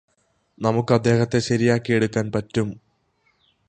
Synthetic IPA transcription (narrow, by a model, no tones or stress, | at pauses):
nɐmukːɨɐd̪ːe̞ːɦɐt̪ːe̞ɕɐɾijaːkːie̞ɽukːaːnpɐtːum